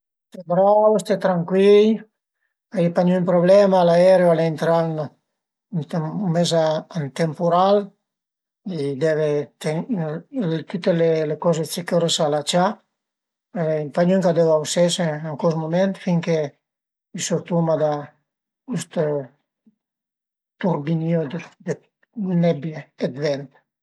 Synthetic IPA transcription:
st̪ɛbɾawost̪ɛt̪ɾaŋkwil | ajipaɲumpɾoblɛmaːlaɛɾeoaleent̪ɾan | numɛzaant̪empuɾal | id̪ɛvet̪e | t̪ut̪ːelelekɔzet͡ʃekoɾesalat͡ʃa | impaɲyŋkad̪ɛvawsɛseaŋkɔsmumɛnt̪fiŋke | isoɾt̪umad̪a | kust̪o | t̪uɾbiniod̪d̪e | nɛbjeːd̪vɛnt̪

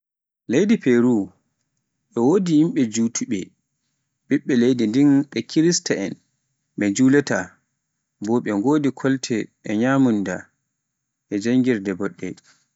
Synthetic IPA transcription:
lejdipeɾu | ɓɛwodijimɓɛd͡ʒuːtʰuɓɛ̰ | ɓiɓːɛlejdindinɓɛkʰiɾistaɛn | mɛd͡ʒulɛta | bɔːɓɛŋɡoːdikʰɔltʰɛʔɛɲaːmunda̰ | ʔɛd͡ʒaŋɡiɾdɛbɔɗːɛ̰

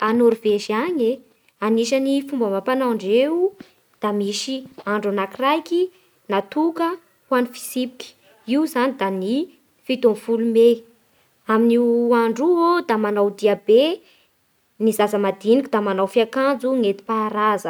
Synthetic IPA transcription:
anoɾveʒiaɲe | aniʃanifumbəmapanaɳɖ͡ʐeu | d̪̥amiʃiaɳɖ͡ʐanakirajki | nat̪ukə | wanifi̥sipi̥kʲi̥ | iuzanid̪ani | fit̪omfulume | aminiaɳɖ͡ʐuod̪amanawd̪iabe | nizasəmad̪inikʲid̪amanawfiakand͡zuŋet̪i̥paɾazə

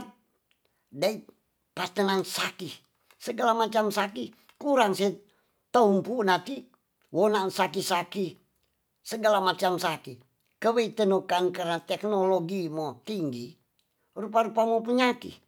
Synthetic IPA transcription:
t̪̚ | dai | pat̪ənansaki | səɡalamat͡ʃamsaki | kuɾaŋsɛ | t̪aumpunat̪i | wonansakisaki | səɡalamat͡ʃamsaki | kəweit̪ənukankarnat̪ɛknoloɡimot̪iŋɡi | rupaɾupamop̬əɲakḭ

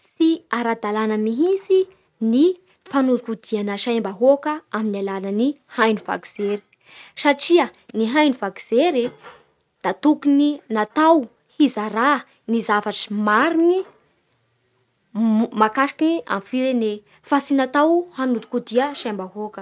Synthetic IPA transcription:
siaɾad̪alanəmiɦisi | ni | fanud̪ikud̪̥ianəʃajmbaɦokəaminalanəni | hajniva̰ki̥z̥eɾi̥ | saʈ͡ʂiəniɦajnuvaki̥z̥eɾi | d̪̥at̪ukininat̪aw | hizaɾa | nizavaʈ͡ʂi̥maɾini | makaʃḁkinia̰mifiɾene | fasinat̪awhanud̪i̥kud̪iəʃajmbaɦokə

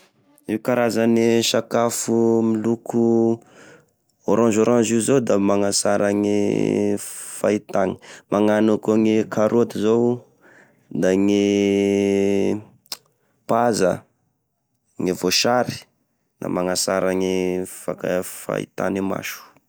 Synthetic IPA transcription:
iwkaɾazaniʃakafumilukʰu | oɾãd͡ʒoɾãnd͡ʒizowd̪amaŋasaɾaŋḭ | fait̪ani̥mʔaŋanukoŋekʰaɾoat̪izow | d̪aŋi | paza̰ | ŋevoʃaɾi̥ | nʔa̰maŋasaɾaŋifakafa̰ḭt̪a̰nima̰ʃu̥

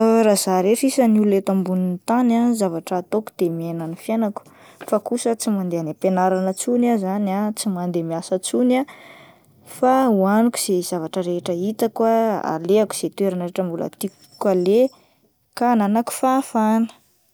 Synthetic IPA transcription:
ɾazaɾeʈ͡ʂisənululet̪ambunint̪ananzavaʈ͡ʂaːt̪oku̥d̪̥emenanifjanaku̥ | fakusət͡simand̪eanapenaɾanət͡sunazanat͡simand̪emiasət͡suna | fauaniku̥z̥ez̥avaʈ͡ʂəɾeʈ͡ʂəit̪akwaa̰leaku̥z̥et̪weɾanəɾeʈ͡ʂəmbula̰t̪ik | kale | kananaku̥fafanə̥

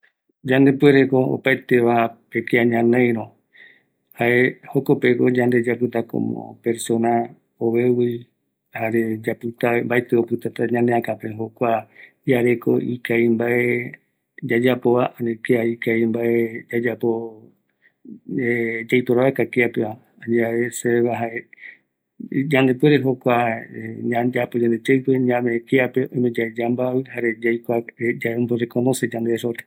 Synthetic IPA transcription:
d͡ʒand̪e̞pueɾeko̞o̰paet̪e̞ʋapekeaɲãnẽjɾõ | haehoko̞pekod͡ʒãnd̪e̞d͡ʒapɨt̪ako̰mõ̰pe̞ɾso̞na | oβewi | haɾed͡ʒapɨt̪ambaet̪eopɨt̪at̪aɲãneãkapeɦokʷa | jaɾe̞ko̰ʔikaimbaʔe | d͡ʒad͡ʒapoβaʔanekeaikajmbaed͡ʒad͡ʒapo | ed͡ʒajpoɾaβekakeapeβa | aɲaβeseeβaɦae | d͡ʒand̪epweɾeɦokʷaɲãd͡ʒapod͡ʒand̪ed͡ʒeɨpeɲãmekeapeojmẽd͡ʒad͡ʒambaβɨhaɾed͡ʒajkʷaed͡ʒaboɾekonõsed͡ʒãnd̪esoɾe

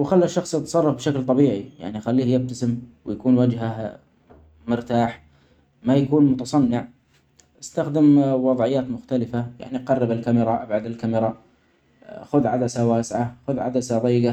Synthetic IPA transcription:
wxalːaʃːɑxsˤɑt̪sˤɑrˤːɑfbʃaklt̪ˤɑbiːʕija̰ʕnixalːiːhjɪb̚t̪asɪmwjakuːnwad͡ʒɦa | mʊɾt̪aːħ | majakuːnmʊt̪ɑsˤɑnːɪʕ | ʔast̪axd̪ɪmwɑðˤʕɪjːaːt̪mʊxt̪alɪfaja̰ʕniʔqɑrˤːɑbɪlkamɪɾˤɑʔabʕad̪alkamɪɾˤɑ | xʊðʕad̪asawaːsʕaxʊðʕa̰d̪asaðˤɑjːɡa

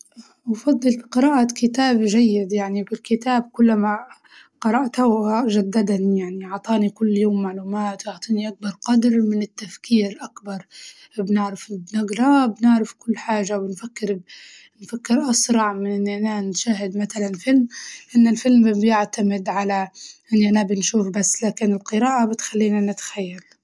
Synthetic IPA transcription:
wfɑd̪ˤːɨlbiqɨɾˤɑːʔakɪt̪aːbʒajːɪd̪jaʕnibɪlkɪt̪aːb̚kʊlːama | qɑɾˤɑʔt̪awʒad̪ːad̪anijaʕniʔɑʕt̪ˤɑːnikʊlːjoːmːaʕluːmaːt̪wjʊʕt̪ˤiːniʔak̚bɑɾˤqɑd̪ɾmɪnɪt̪ːafkiːɾʔakbɑɾˤ | bnɪʕɾɪfbnɪɡɾˤɑbnɪʕɾɪfkʊlːħaːʒawɪnfakːɪɾ | nfakːɪɾʔɑsɾˤɑʕmɪnʔɪnːʔananʃaːɦɪd̪mat̪alanfɪlmʔɪnːɪlfɪlmbjɪʕt̪amɪd̪ʕalaʔɪnːiʔanabɪnʃuːfbasːlaːkɪnɪlqɨɾaːʔabɪt̪xalːiːnanɪt̪xajːal

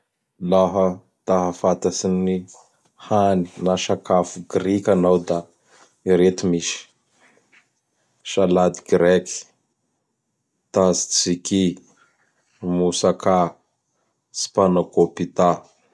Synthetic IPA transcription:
laɦə | t̪aɦəfat̪asini | hani̥naʃakafuɡɾikʲanawd̪a | iɾet̪imiʃi̥ | ʃalad̪iɡɾɛki̥ | t̪azi̥t͡siki | musaka | si̥panakopit̪a

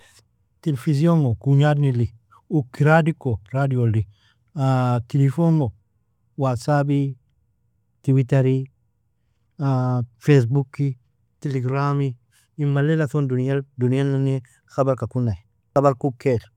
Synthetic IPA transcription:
telefizjoŋokuɲadnili | ukːiɾadikoɾadiolːi | atilifoŋo | wasabi | tiwitaɾi | afesbukːi | tiliɡɾami | imalelaθondunijaldunialːane | xabaɾkakunːaj | xabaɾkukːel

